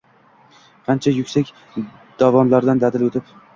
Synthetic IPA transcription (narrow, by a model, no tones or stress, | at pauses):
qʰant͡ʃʰajʊkʲsakʲ | d̪̥avɒnlaɾd̪and̪ad̪ɪlɵt̪ʰɪp